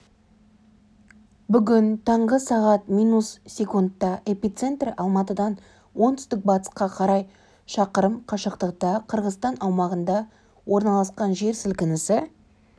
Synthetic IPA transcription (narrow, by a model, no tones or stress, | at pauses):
bʏɡʲɪnt̪ʰɑɴʁəsɑʁɑt̪mijnussʲe̞kunt̪ːɑʔe̞pʲit̪se̞nt̪rɑlˠmɑt̪əd̪ɑn | wo̞nt̪ʰʏ̥st̪ɪk̚bɑt̪ə̥sqɑqʰɑɾɑj | ʃɑqəɾəmqʰɑʃəqt̪əq̚t̪ɑqʰəɾʁəzt̪ɑnɑwmɑʁənd̪ɑ | wʔo̞ɾnɑlˠɑsqɑnʒe̞ɾsɪlkʲɪnɪsɪ